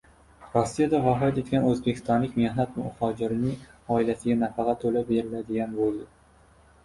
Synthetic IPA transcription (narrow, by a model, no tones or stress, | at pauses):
ɾɒsːijad̪avɒɦɾat̪e̞t̪kʲanɵzbekʲʰɪ̥st̪ɒnlɪkʲmehnat̪mʊhɒd͡ʒɪɾɪnɪŋɒɪlasɪɡʲanafɑqɑt̪ːʰolabe̞ɾɪlad̪ɪɡʲanbolˠd̪ɪ